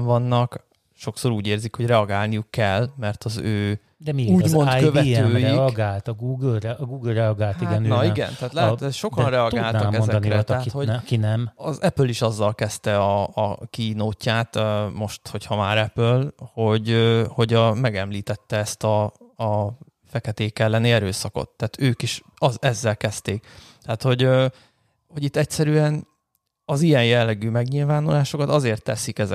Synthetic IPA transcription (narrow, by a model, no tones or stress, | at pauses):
ɱvɒnːɒk | ʃo̞kso̞ɾuːɟeːrzikho̞ɟrɛɒɡaːlnijukːɛlːmɛrt̪ʰɒzøː | d̪ɛmiuːɟmo̞nkøvɛt̪øːjiɒɡaːlt̪ɒɡuːɡlɛɡuːɡlrɛɒɡaːliaɡɛnnɒiɡɛ̰nt̪aːt̪lɛɦɛʃo̞kɒnrɛɒɡ̪aːlt̪ɒmkɛonzɛd̪nk̪iɾɛt̪ɛːt̪ho̞ɟkinɛmɒzɛpøliʃɒzːɒlkɛst̪ɛɒːkinoːcːaːt̪mo̞ʃt̪ho̞chɒmaːɾɛpølho̞ɟøho̞ɟɒmɛɡɛmliːt̪ɛt̪ːɛɛst̪ɒː | fɛkɛt̪eːkɛlːɛniɛɾøːsɒko̰t̪ːaːt̪øːkiʃ | ɒzɛzːɛlkɛst̪eːkt̪ɛːt̪ho̞ɟø | ho̞ɟit̪ːɛcsɛɾyːɛn | ɒzijɛnjɛlːɛɡyːmɛɡɲiːlvaːnolaːʃo̞kɒt̪ɒzeːrt̪ːɛ̰sikɛzɛ